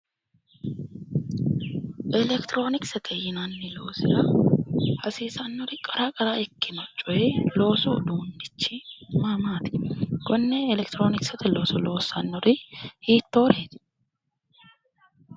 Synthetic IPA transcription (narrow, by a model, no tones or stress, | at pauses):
ʔɛlɛkt̪ɾo̞ːnɪksɛt̪ʰɛjɪnɐnːɪlo̞ːsɪɾɐ | hɐsiːsɐnːɔɾɪkʼɐɾaːkʼɐɾaɛkːɪnɔt͡ʃʼːɔlo̞ːsʊd̪uːnːɪt͡ʃːɪmamaːt̪ɪ̥ɡ̥ɔnːɛɛlɛkt̪ɾo̞ːnɪksɛt̪ɛlo̞ːsʊlo̞ːsːɐnːɔɾɪhiːt̪ːoːɾeːt̪